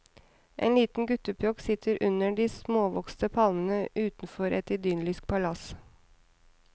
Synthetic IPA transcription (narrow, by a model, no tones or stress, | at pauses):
ʔḛːnliːt̪n̩ɡʉt̪əpʰjoːksɪt̪ʰəɾʔʉnəɖiːsmoːʋɔkst̪əpʰɑlmənəʔʉːt̪n̩fɔɾʔɛ̰t̪ɪd̪yːnlɪsk̚pʰɑlɑs